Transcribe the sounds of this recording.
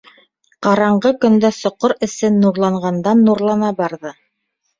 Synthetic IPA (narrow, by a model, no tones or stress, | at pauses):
qɑɾɑɴɢɤkɵ̆nd̪æsŏqoɾɘ̆sɘnːuɾlˠɑɴʁɑnd̪ɑnːuɾlˠɑnɑbɑɾðɤ